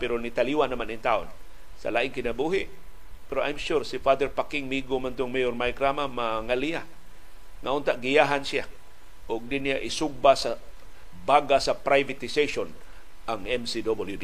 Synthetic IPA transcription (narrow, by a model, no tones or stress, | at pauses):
pɛɾonit̪aliwanːamanint̪aʔo̰n | sa̰laʔɪŋkɪnabuɦɪʔ | pɛɾoʔajmʃuɾsifad̪ɛɾpakɪŋmiɡomant̪ʊŋmejoɾmajkɾamamaŋalia | ŋaʊnt̪aʔɡijaɦansia | ʔʊɡ̚dɪnijaʔɪsʊɡ̚basa | baɡasapɾajvat̪ɪseʃon | ʔaŋɛmsidobɪljud